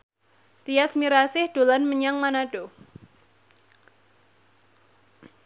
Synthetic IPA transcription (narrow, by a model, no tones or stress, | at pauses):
t̪ijasmiɾasɪhɖ̥olanməɲaŋmanaɖ̥o